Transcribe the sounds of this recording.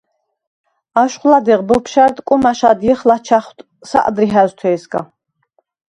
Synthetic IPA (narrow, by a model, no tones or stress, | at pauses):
aʃχlad̪iʁbɔpʰʃaɾd̪ʼkʼumaʃad̪jiχlat͡ʃʰaχt̪ʰʼ | sa̰ʔʼd̪ɾiɦæzt̪ʰwɛːsɡa̰